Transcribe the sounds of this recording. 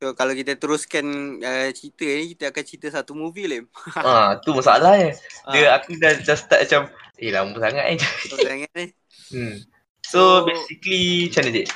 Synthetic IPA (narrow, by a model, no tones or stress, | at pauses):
sokalakit̪ət̪əɾuskanət͡ʃit̪ənikit̪əakant͡ʃit̪əsat̪umuvilimat̪umasaa̰lahɲədəakudadast̪aʔ̚mat͡ʃam | ʔela̰mubusaŋaʔnid͡ʒasaŋaʔni | sobesiklit͡ʃanəd̪iʔ